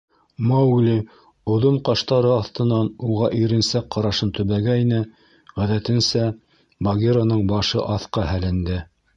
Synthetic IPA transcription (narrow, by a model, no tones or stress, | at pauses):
mɑwlʲi | ŏðoɴqɑʃt̪ɑɾɤɑθt̪ɤ̆nɑnuʁɑʔiɾɘ̆nsækqːɑɾɑʃɤnt̪ɵ̆βæɡæjnɘ | ʁæðæt̪ɘ̆nsæ | bɐɡʲeɾonɤɴbɑʃɤʔɑθqɤhælɘ̆nd̪ɘ